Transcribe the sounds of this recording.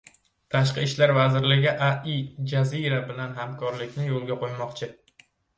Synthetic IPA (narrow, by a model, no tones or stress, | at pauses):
t̪ʰaʃ̬qɨɪʃlaɾvazɪɾlɪɡʲɪʔaɪd͡ʒaziɾabɪlanɦamkʰɒɾlɪkʲnɪjolˠɡʲaqʰojmɒqt͡ʃʰɪ